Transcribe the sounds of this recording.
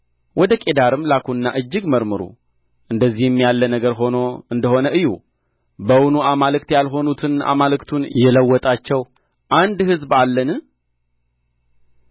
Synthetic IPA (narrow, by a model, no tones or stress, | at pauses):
wɔd̪əkʼe̞d̪aɾɨmlakʰuɨnːa̰ʔɨd͡ʒːɨɡməɾmɨɾṵ | ʔɨnd̪əzːihmːjalːənəɡəɾɦo̞no̞ɨnd̪əho̞nəʔɨjːṵ | bəwnuamalɨkt̪jalɦo̞nut̪ʰɨna̰malɨkt̪ʰunjɛləwːɔt̪ʼat͡ʃːɛw | ʔand̪hɨzbalːənɨ